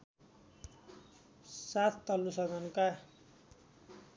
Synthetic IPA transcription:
sat̪ʰt̪ʌlːusʌd̪ʱʌnka

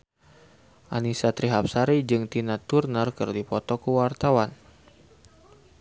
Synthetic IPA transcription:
ʔanisat̪ɾiɦap̚saɾid͡ʒɨŋt̪inat̪urnərkərdipɔt̪ɔkəwart̪awan

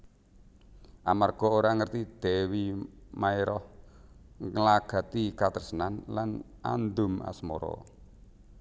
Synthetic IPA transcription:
ʔamarɡ̥ɔ̤oɾaŋərt̪id̪̥ɛ̤wimaeɾɔh | ŋəlaɡ̥a̤t̪ikat̪ərsənanlan | ʔa̰nd̪ʊ̤ma̰smɔ̰ɾɔ̰

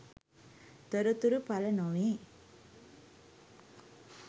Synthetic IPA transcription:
t̪əɾut̪uɾupalɐnoʋi

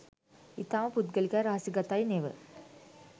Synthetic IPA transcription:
it̪aːʋəpud̪̚ɡəlikæːɾaɦasiɡat̪ajneʋə̰

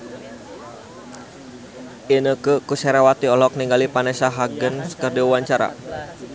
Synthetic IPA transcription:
ʔinəkəkusɛɾawat̪iɔlɔk̚niŋɡalipanɛsaɦaɡənsə̥kərdiwuwaɲt͡ʃaɾa̰

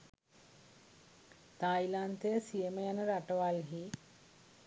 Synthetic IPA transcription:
t̪ajlant̪əjəsijəməjanəɾaʈəʋalɦi

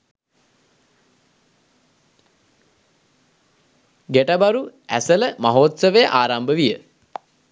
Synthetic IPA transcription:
ɡeʈəbaɾuæ̰sələmaɦoːt̪səʋejəʔaːɾambəʋijə

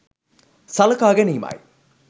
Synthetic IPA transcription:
sɐlɐkaːɡeniːma̰j

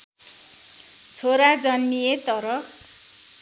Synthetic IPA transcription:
t͡sʰoɾad͡zʌnːijet̪ʌɾʌk

